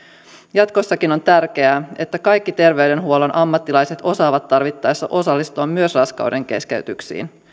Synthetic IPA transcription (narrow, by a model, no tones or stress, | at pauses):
jɑt̪ko̞sːɑkino̞nt̪ærk̟e̞æe̞t̪ːækɑjkːit̪e̞rʋe̞yde̞nɦuo̞lenʔɑmːɑt̪ːilɑjse̞t̪o̞sɑːʋɑt̪ːɑrʋit̪ːɑjsːɑ̰ʔo̞sɑlːist̪uɑmːyøsrɑskɑ̰wde̞ŋke̞̰skeyt̪yksḭːn